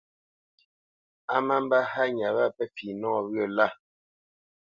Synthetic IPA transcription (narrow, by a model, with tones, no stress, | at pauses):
a˦ma˦m˦ba˦ha˦ɲa˨βa˦˨pɛ˦fiː˨nɔ˦ɔ˨βɰə˦˨la˦˨